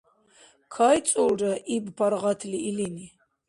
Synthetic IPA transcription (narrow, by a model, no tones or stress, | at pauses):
kʰajt͡ssʼulɾaʔibpʰaɾʁat̪ʰliːlini